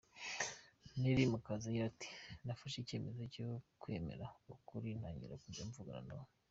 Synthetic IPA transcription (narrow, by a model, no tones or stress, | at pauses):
niɾimukazajiati̥nafaʃice̞ːme̞zo̞cokwe̞mḛɾaukuɾinaːɲḭɾa̰kuzaɱvuɡa̰ɾa̰naw